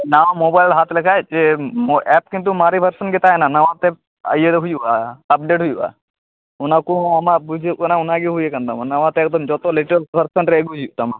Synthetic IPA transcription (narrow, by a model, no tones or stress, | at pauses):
naʋamoːbajlɦat̪ʰlekʰaet͡ʃemɛp̚kint̪̬umaɾibʱɐɾsənɡɪt̪ajnanɐʋãt̪e | ɐ̰jed̪eɦujuʔa̰ɐp̚ɖeːʈɦujuʔa̰ | ʊnakũɐmãbud͡ʒʱikonaʊnaɡiɦujekɐnd̪amanɐʋãt̪eːk̚d̪ɐmd͡ʒɔt̪olɪʈɾəlsbʱɐɾsənɾeːɡud͡ʒijuʔt̪ama̰